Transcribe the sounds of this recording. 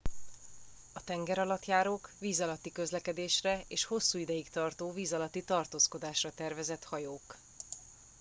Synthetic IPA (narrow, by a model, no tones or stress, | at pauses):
ɒt̪ɛŋɡɛɾɒlɒt̪jaːɾoːkʋiːzɒlɒt̪ːikø̞zlɛkɛd̪eːʃrɛeːʃho̞sːuːid̪ɛjikt̪ɒrt̪oːviːzɒlɒt̪ːit̪ɒrt̪oːsko̞d̪aːʃrɒt̪ɛrvɛzɛt̪hɒjoːk